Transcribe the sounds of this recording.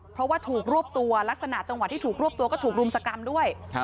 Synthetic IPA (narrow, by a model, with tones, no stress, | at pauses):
pʰɾɔ˦˥waː˥˩t̪ʰuː˨˩k̚ɾu˥˩əp̚t̪u˧ɐla˦˥k̚sa˧na˨˩t͡ɕa˧ŋwa˨˩t̪ʰːiː˥˩t̪uː˨˩k̚ɾu˥˩əp̚t̪u˧əkɔ˥˩t̪ʰu˨˩k̚ɾu˧msa˧ka˧mdu˥˩əj